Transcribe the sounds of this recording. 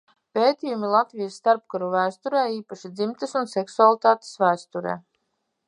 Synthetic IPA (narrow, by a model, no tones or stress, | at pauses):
peːt̪iːjumilˠat̪vijasːt̪aɾpkaɾuvæːst̪uɾeːiːpaʃid̪zimt̪əsunsɛksualˠit̪aːt̪e̥svæːst̪uɾḛː